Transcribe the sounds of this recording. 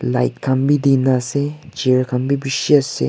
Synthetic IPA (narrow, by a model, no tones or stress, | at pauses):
la̰jt̚kʰambid̪inaset͡ʃeɾkʰambibiʃiasḛ